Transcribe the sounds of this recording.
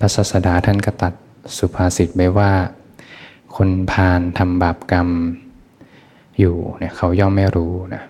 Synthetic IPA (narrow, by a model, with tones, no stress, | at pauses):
pʰa˧˥saː˧˩t̪̚sa˧daː˨˦t̪ʰa˥˩nka˧˩t̪a˨˩t̪̚ | su˨˧˦pʰaː˧si˨˩˦t̪̚ba˧˩jwaː˥˩ | kʰo˧npʰaː˧nt̪ʰa˧mbaː˨˩p̚ka˧m | juː˨˩ni˧˩ɐkʰa˧˥˩wjɔː˥˩mːa˥˩jɾuː˦˥na˦˥